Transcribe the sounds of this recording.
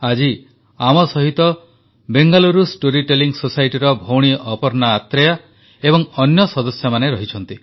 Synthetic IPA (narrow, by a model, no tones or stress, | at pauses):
ad͡ʒi | amɔsɔɦit̪ɔ | beŋɡaluɾusʈoɾiʈeliŋɡsosajʈiɾɔbʱowɽ̃iʔɔpɔɾnaːt̪ɾeja | ebɔŋɔnjɔsɔd̪ɔsjɔmaneɾɔɦit͡ʃʰɔnt̪i